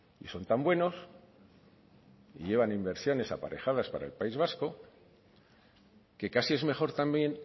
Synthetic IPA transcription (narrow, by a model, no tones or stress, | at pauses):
ḭso̞nt̪ambwe̞no̞s | iʝe̞β̞animbe̞ɾsjo̞ne̞sa̰pa̰ɾʔe̞xaðaspaɾa̰elpaizβ̞asko̞ | ke̞kasie̞zme̞xo̞ɾt̪ambje̞n